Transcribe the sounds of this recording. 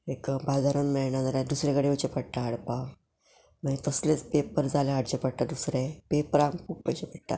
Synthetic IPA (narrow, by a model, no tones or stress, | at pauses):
ekbad͡zaɾənmɛɭɳad͡zaɾad̪usɾekəɽeut͡ɕepəɽʈ̪aːɽpaʋ | mãnt̪əslet͡spepəɾd͡zaleaɽd͡ʑepəɽʈ̪ad̪usɾepepəɾaŋɡpuk̚pəjt͡ɕepəɽʈ̪a̰